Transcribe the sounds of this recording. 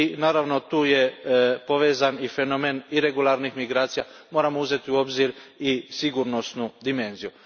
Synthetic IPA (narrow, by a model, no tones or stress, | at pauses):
inaːɾaʋno̞t̪uːjepo̞ʋe̞ːzanife̞nomeniɾeɡulˠaɾnixmiɡɾaːt̪sijamo̞ːɾamouze̞t̪iuo̞bziɾisiɡuɾno̞snud̪ime̞nziju